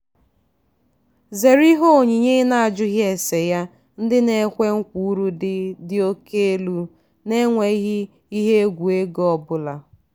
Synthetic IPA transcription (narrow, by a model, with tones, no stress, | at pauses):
ze˨ɾi˦ɦo˦˨ɲi˨ɲe˦na˨a˨d͡ʒʊ˦ɦje˨se˨ja˦ | n̩˦dɪ˦ne˨˦kʷe˦ŋ̩˦kʷu˦u˦ɾu˦dɪ˦dɪ˨o˦ke˦e˦lu˦ | ne˦ŋʷe˨i˦ɦi˦ | i˦ɦe˦ɡʷu˨e˦ɡɔ˨bʊ˦la˨